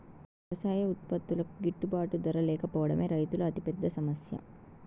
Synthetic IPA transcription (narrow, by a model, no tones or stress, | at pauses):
ɐʋɐsaːjɐut̪̚pɐt̪ːulɐkuɡiʈːubaːʈud̪ɐɾɐlɛːkɐpɔːɐɽɐmeːɾɐjt̪ulɐɐt̪ipɛd̪ːɐsɐmɐsjɐ̰